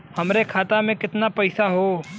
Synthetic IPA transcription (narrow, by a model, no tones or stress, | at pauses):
hɐmɾekʰaːt̪amẽkɪt̪napɐɪsaɦoː